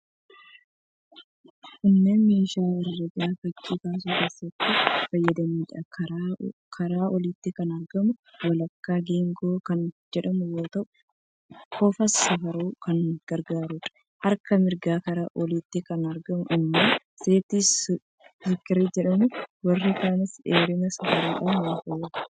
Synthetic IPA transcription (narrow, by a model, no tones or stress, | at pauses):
kɪnːeːnmeːʃaːɪrːɐɡafɐd͡ʒːiːkaːs̬uːkeːsːɐt̪ːɪfɐjːɐd̪ɐmiːᶑɐ | kʰɐɾaːʔɔliːt̪ːɪkɐnɐɾɡɐmʊwɐlɐkːaːɡeːŋɡo̞ːkɐnd͡ʒɛᶑɐmʊwoːt̪ɐʔʊ | koːfɐsːɐfɐɾoːkɐnɡ̥ɐɾɡaːɾuᶑɐ̥ | hɐɾkɐmɪɾɡaːkɐɾaːʔɔliːt̪ːɪkɐnɐɾɡɐmʊʔɪmːaː | se̞ːt̪is | sɪkːɪɾid͡ʒɛᶑɐmʊwɐrːɪkaːnɪseːɾɪmɐsɐfɐɾoːᶑaːnwaːfɐjeᶑɐ̥